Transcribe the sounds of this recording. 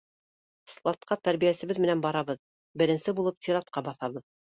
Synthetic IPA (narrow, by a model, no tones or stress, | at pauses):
slˠɑt̪qɑt̪æɾβijæsɘ̆βɘðmɘ̆nænbɑɾɑβɤð | bɘ̆ɾɘ̆nsɘbulˠɤp̚t̪ʲiɾɑt̪qɑbɑθɑβɤð